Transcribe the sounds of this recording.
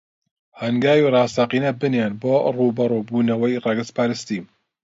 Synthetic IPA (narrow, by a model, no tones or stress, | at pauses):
hɐŋɡaːwirˤɑːsɑqiːnɐbɨnenboːruːbɐɾoːbuːnɐwɐjrɑɡɨspʰaːɾɨst̪im